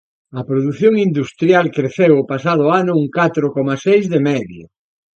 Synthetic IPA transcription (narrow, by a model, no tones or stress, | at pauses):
ɐpɾoðuθjoŋind̪ust̪ɾjalkɾeθewopasað̞ʊanʊuŋkat̪ɾokɔmasejzðemɛðjo̰